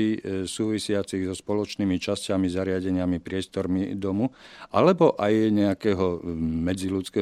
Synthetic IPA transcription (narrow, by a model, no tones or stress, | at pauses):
isuːʋisɪat͡siɣzɔspɔlɔt͡ʃniːmit͡ʃascamizaɾɪaɟɛɲɪamipɾɪɛst̪ɔɾmid̪ɔmuʔalɛbɔʔajɲɛakɛːɦɔmɛd͡zilut͡skɛː